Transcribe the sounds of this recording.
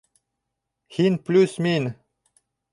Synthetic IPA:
hinplʲusmin

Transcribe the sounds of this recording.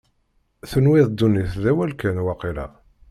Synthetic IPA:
θənwɪðˤd̪ːuniθðæwælkænwɑqilæ̰

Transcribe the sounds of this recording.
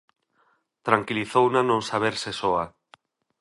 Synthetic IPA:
t̪ɾaŋkiliθownanõŋsaβ̞eɾsesoa

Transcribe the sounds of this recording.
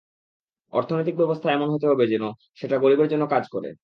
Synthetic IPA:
ɔ̰ɾt̪ʰonojt̪ik̚bɛbost̪ʰaɛmonɦot̪̬eɦɔbed͡ʑino | ʃeʈaɡoɾibeɾd͡ʑonːokad͡ʑkɔɾḛ

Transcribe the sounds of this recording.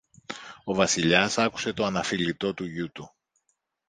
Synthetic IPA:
o̞vɐsiʎɐsɐku̥se̞t̪o̞ɐnɐfilit̪o̞t̪uʝut̪u

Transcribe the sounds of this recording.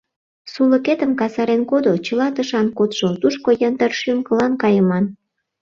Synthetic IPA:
sulə̆ket̪əmkɑsɑɾenkod̪ot͡ɕəlɑt̪əʃɑnkot̪ʃot̪uʃkojənd̪ərʃymkə̆lɑnkɑjəmɑn

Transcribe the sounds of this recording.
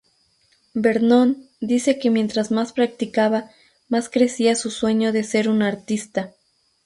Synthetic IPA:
be̞ɾnon | d̪ise̞ke̞mje̞nt̪ɾazmaspɾak̚t̪ikaβa | maskɾe̞siasuswe̞ɲo̞ðe̞se̞ɾunaɾt̪ist̪a

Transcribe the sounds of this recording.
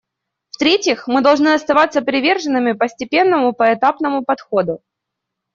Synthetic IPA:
ft̪ɾʲetʲjɪxmɨd̪ɐlˠʐnɨɐst̪ɐvat̪səpɾʲɪvʲe̞rʐɨnːɨmʲɪpəsʲtʲɪpʲe̞nːəmʊpəɛt̪apnəmʊpɐt̪xo̞d̪ʊ

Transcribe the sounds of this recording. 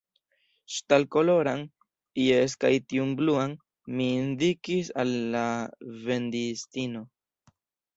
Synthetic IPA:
ʃtalkolo̞ɾaŋ | ieskajt̪iumbluaŋ | mind̪ikisalːave̞nd̪ist̪ino̞

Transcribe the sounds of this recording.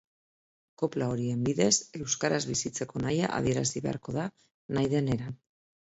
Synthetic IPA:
ko̞plao̞ɾie̞mbiðe̞se̞wskaɾazβisit͡se̞ko̞naja̰ʔa̰ðie̞ɾasiβe̞a̰ɾko̞ða | najðe̞ne̞ɾan

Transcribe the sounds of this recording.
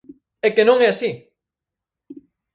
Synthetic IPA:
ɛkenõŋɛasi

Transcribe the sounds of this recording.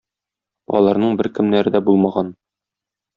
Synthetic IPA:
ɒ̰lˠɑɾnɤɴbɘɾkɘ̆mnæɾɘd̪æbulˠmɑʁɑn

